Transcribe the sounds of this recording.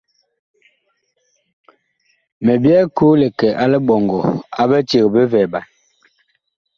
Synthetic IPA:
me˨bjɛ˦ku˦le˨kɛ˨ʔa˦le˦ɓɔ˨ŋɡɔ˨a˦be˦te˨be˦vɛ˨ba˨

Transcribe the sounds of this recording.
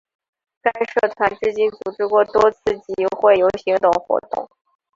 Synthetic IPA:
ka˥ɪʂɤ˥˩t̪ʰwa˧˥nʈ͡ʂɻ̩˥˧t͡ɕi˥nt͡su˨˩ʈ͡ʂɻ̩˥˧kwɔ˥˩t̪wɔ˥t͡sʰɹ̩˥˩t͡ɕi˧˥xwe˥˩ɪjo˧˥ʊɕi˧˥ŋt̪ʊ˨˩ŋxwɔ̰˧˥t̪ʊ̰˥˩ŋ

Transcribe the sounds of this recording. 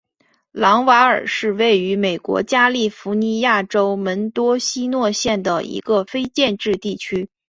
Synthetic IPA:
lɑ˧˥ŋwa˧˥ə̰˞˨˩ʂɻ̩˥˧we˥˩ɪy˧˥me˨˩ɪkwɔ̰˧˥t͡ɕja˥li˥˩fu˧˥ni˧˥ja˥˩ʈ͡ʂo˥ʊmə˧˥nt̪wɔ˥ɕi˥nwɔ˥˧ɕjɛ˥˩nd̪ə˩ḭ˧˥ɡə˧fe˥ɪt͡ɕjɛ˥˧nʈ͡ʂɻ̩˥˧t̪i˥˩t͡ɕʰy˥

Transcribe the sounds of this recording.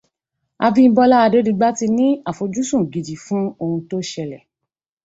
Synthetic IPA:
a˧bĩ˦bɔ˧la˦a˧de˦di˨˧ɡ͡ba˦ti˧nĩ˦a˨fo˨˧d͡ʒu˦sũ˦˨ɡi˨d͡ʒi˨fũ˦o˧ũ˧to˦ʃɛ˧lɛ˨

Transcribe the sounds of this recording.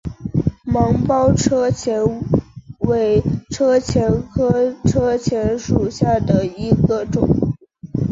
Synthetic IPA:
mɑ˧˥ŋpɑ˥ʊʈ͡ʂʰɤ˥t͡ɕʰjɛ˧˥n | we˧˥ɪʈ͡ʂʰɤ˥t͡ɕʰjɛ˧˥nkʰɤ˥ʈ͡ʂʰɤ˥t͡ɕʰjɛ˧˥nʂu˨˩ɕja˥˩d̪ə˩i˧˥ɡə˧ʈ͡ʂʊ̰˨˩˦ŋ

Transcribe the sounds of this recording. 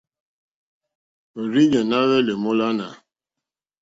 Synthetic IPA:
o˨ɾi˦ɲe˨na˦we˦le˨mʊ˦la˦na˨

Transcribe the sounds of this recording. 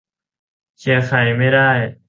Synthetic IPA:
kʰi˧˩˦kʰa˨˩jma˥˩jdaː˥˩j

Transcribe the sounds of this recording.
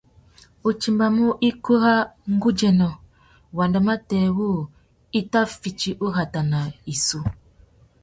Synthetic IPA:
u˨t͡ʃi˨mba˨mu˦ʔi˦ku˦ɦa˦ŋ̩˦ɡu˦d͡ʒɛ˨nɔ˨ | wa˨nda˨ma˦tɛ˨wu˦ | i˦ta˦fi˨t͡ʃi˦ʔu˦ɦa˨ta˨na˨i˨su˦

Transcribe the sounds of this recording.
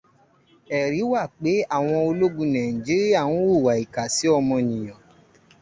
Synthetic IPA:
ɛ˨ɾi˨˦wa˦˨k͡pe˨˦a˦˨w̃ɔ̃˧o˧lo˦ɡũ˧˦nã˨ĩ˨d͡ʒi˦ɾi˦a˦˨ũ˨˦wu˦˨wa˨i˨ka˨si˨˦ɔ˧mɔ̃˧nĩ˨j̃ã˨

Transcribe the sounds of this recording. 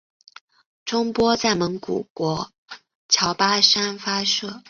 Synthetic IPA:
ʈ͡ʂʊ˥ŋpwɔ˥t͡sa˥˩ɪmə˧˥ŋkṵ˨˩kwɔ˧˥ | t͡ɕʰjɑ˧˥ʊpa˥ʂa˥nfa˥ʂɤ˥˩

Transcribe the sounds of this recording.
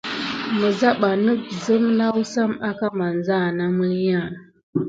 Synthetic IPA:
mə˨za˦ɓa˨nə˦kzə˦mna˦wu˦sa˦ma˦ka˦ma˨nza˦˨na˦mə˦ja˦˨

